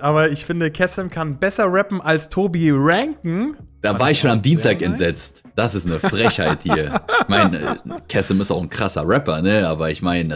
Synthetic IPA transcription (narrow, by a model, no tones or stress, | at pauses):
ʔaːβɐɪçfɪndəkʰɛslmkʰanbɛsɐʁɛpm̩ʔalstʰoːbiʁɛŋkŋ̩d̥aːvaːɐɪçʃoːnamdiːnstʰaːkɛntz̥ɛt͡st | d̥asɪstnəffʁ̥ɛçhaɪthiːɐçmaɪn̰kʰɛsl̩mɪstaʊxn̩kʁ̥asɐ̰ʁɛpɐnəʔaːbɐɪçmaɪn